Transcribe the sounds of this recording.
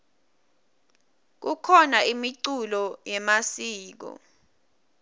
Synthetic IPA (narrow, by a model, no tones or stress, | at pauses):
k̬ukʰɔnaimiǀulɔjɛmasiːk̬ɔ̰